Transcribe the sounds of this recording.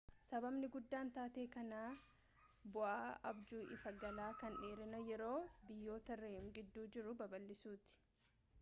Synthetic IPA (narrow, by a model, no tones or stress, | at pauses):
sɐbɐbnɪɡʊd̪ːaːnt̪aːt̪e̞ːkɐnaː | bʊʔaːɐ̰bd͡ʒuːʔɪfɐɡɐlaːkɐnᶑeːɾɪnɐjɛɾo̞ːbɪjːo̞ːt̪ɐreːŋɡɪd̪ːuːd͡ʒɪɾʊbɐbɐlːɪsuːt̪ɪ̥